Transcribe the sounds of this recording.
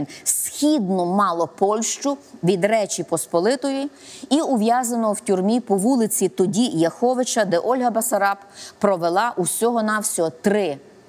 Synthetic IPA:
nsʲxʲid̪nɔmɑlˠɔpɔlʲʃt͡ʃʊʋʲid̪ɾɛt͡ʃʲipɔspɔlˠɪt̪ɔjiiʊʋjɑzɐnɔɔwtʲurmʲipɔʋulˠɪt͡sʲit̪ɔdʲijɐxɔʋɪt͡ʃɐd̪ɛʔɔlʲɦɐbɐsɐɾɑpːɾɔʋelˠɑʔusʲɔɦɔnɑwsʲɔɔt̪ɾɪ

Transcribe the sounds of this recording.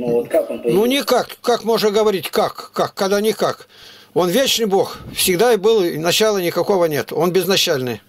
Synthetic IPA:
not̪aknnunʲɪkakkakmo̞ʐəɡəvɐɾʲitʲkakːakːɐd̪anʲɪkak | o̞nvʲet͡ɕnɨjbo̞xfsʲɪɡd̪aɪbɨlˠnɐt͡ɕalˠənʲɪkɐko̞vənʲe̞t̪o̞nbʲɪznɐt͡ɕalʲnɨ̰j

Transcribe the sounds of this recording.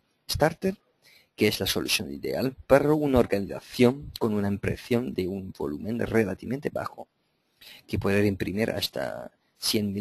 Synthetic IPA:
est̪aɾt̪eɾ | keeszlaso̞luθjo̞nḭðḛalpaɾaunaoɾɡaniθa̰θjo̞ŋko̞nunaempɾḛθjo̞nd̪eunmbo̞̰lumẽnrelat̪iment̪eba̰xo̰ | kepwoðeɾimpɾimiɾʔa̰st̪a̰ | sjenmi

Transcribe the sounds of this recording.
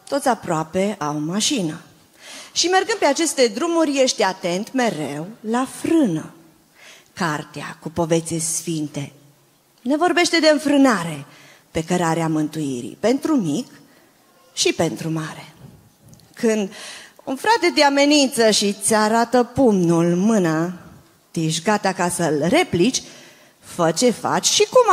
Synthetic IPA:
t̪o̞t̪sʲapɾoape̞ʔawmaʃinə | ʃime̞rɡɨnd̪̚peat͡ʃe̞st̪e̞d̪ɾumurʲje̞ʃt̪ʲat̪e̞nt̪me̞ɾe̞wlafɾɨnə̰ | kart̪ea̰kupo̞ve̞t̪sesfint̪e̞ | ne̞vo̞rbe̞ʃt̪e̞d̪e̞ɨɱfɾɨnaɾe̞ | pe̞kəɾaɾeamɨnt̪uḭɾḭpe̞nt̪ɾumik | ʃipe̞nt̪ɾumaɾe̞ | kɨnd̪unfɾat̪e̞t̪eame̞nint̪səʃit̪sʲaɾat̪əpumnulmɨna | t̪iʃ̬ɡat̪akasəlɾe̞plit͡ʃʲ | fət͡ʃe̞fa̰t͡ʃʲʃikum

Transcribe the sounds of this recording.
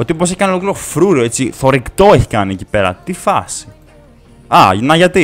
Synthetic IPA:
ot̪iop̬oseçi̥kɐniolokliɾo̞fɾuɾoet͡siθo̞ɾikt̪o̞eçi̥kɐniecipe̞ɾɐ̰t̪ifɐsi̥ | ɐnɐʝɐt̪i

